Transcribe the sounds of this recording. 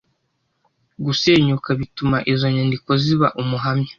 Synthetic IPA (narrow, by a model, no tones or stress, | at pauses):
ɡuse̞ːɲukaβitumaʔizo̞ɲandiko̞ziβaʔumuɦamɲḁ